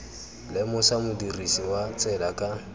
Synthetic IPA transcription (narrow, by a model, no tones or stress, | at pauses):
lɪmʊsamʊdirisiwat͡sʼɛlakʼa